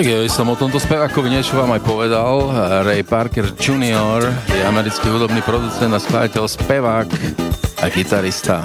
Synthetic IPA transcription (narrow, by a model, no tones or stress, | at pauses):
t̪aɡjaʋisɔmɔt̪ɔmt̪ɔspɛʋaːkɔʋiɲɛt͡ʃɔʋaːmajpɔʋɛd̪alɾɛjpaɾkɛɾd͡ʒuniɔɾjɛamɛɾit͡skiɦud̪ɔbniːpɾɔd̪ut͡sɛnd̪asklajacɛlspɛʋaːkaɡit̪aɾist̪a̰